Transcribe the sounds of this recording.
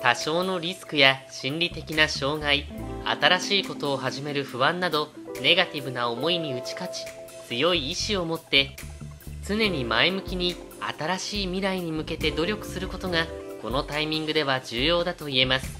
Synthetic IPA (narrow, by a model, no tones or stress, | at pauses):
t̪aɕo̞ːno̞ɾʲisɨ̥kɯ̟jaɕĩnʲɾʲit̪e̞kʲinaɕo̞ːɡaia̰t̪aɾaɕiːko̞t̪o̞ːɦaʑime̞ɾɯ̟ɸɯ̟βãnːad̪o̞ne̞ɡat̪ʲibɯ̟nao̞mo̞iɲiɯ̟t͡ɕi̥kat͡ɕi̥ | t͡sɨjo̞iːɕio̞mo̞t̪ːe̞ | t͡sɨne̞ɲ̟imaemɯ̟kʲiɲ̟i | a̰t̪aɾaɕiːmʲiɾaiɲ̟imɯ̟ke̞t̪e̞d̪o̞ɾʲo̞kɯ̟̥sɨɾɯ̟ko̞t̪o̞ŋako̞no̞t̪aimʲĩŋɡɯ̟d̪e̞βad͡ʑɨːjo̞ːd̪at̪o̞ie̞masɨ̥